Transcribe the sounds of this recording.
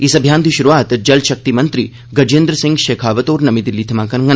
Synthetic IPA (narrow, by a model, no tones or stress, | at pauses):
isɐbʱjãːnd̪iʃuɾuʋaːt̪d͡ʒɐlʃɐk̚t̪imɐnt̪ɾiː | ɡɐd͡ʒẽnd̪ɾəsɪ̃ŋɡʃeːkʰaːʋət̪oːɾnɐmid̪ilːiːt̪ʰɐmãːkɐnŋɡɐ